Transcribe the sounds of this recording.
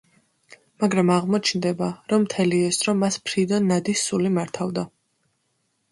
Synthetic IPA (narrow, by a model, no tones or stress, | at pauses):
maɡɾamaʁmɔt͡ʃʰnd̪ɛbaɾɔmːt̪ʰɛliɛsɾɔmːaspʰɾid̪anːad̪isːulimaɾt̪ʰavd̪a